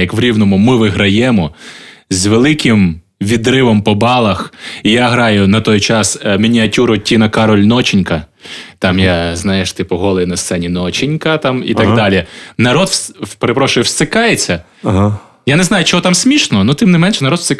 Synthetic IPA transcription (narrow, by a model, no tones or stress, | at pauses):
jɐkʋɾʲiwnɔmʊmɪʋɪɦɾɐjɛmɔzʲʋelˠɪkɪm | ʋʲid̪ɾɪʋɔmpɔbɑlˠɐxijaɦɾɑjʊnɐt̪ɔjt͡ʃɑsmʲinʲiɐtʲuɾʊtʲːinɐkɑɾɔlʲnɔt͡ʃɪnʲkɐt̪ɑmjaznɑjeʃt̪ɪpʊɦɔlˠejnɐst̪sɛnʲinɔt͡ʃɪnʲkɐt̪ɑmḭt̪ɐɡd̪ɑlʲinɐɾɔd̪speɾepɾɔʃʊjʊwst̪ɪkɑjet͡sʲːɐ | ɦ | janeznɑjʊt͡ʃɔɦɔt̪ɑmsʲmʲiʃnɔnut̪ɪmnɪmɛnʃɛnɐɾɔd̪sɪk